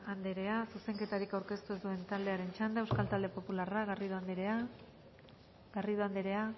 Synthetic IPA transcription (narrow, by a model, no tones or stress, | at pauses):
and̪eɾe̞asuse̞ŋke̞t̪aɾikawɾke̞st̪ud̪ue̞nt̪ald̪e̞aɾe̞nt͡ʃand̪aewskalt̪ald̪e̞po̞pularaɣariðoand̪ɾea | ɡariðoand̪eɾe̞a